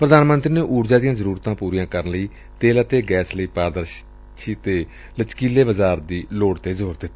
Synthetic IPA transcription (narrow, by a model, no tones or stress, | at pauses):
pɾəd̪aːnmə̃nt̪ɾiːneːʔuːɾd͡ʒaːd̪ijãːzəɾuːɾt̪ãːpuːɾijãːkəɾənləiː | t̪eːlaːt̪eːɡɛːsləiːpaːɾd̪əɾʃ | ʃʰiːt̪eː | lət͡ʃkiːleːbəzaːɾd̪iːloːɽt̪eːzoːɾd̪ɪt̪ːa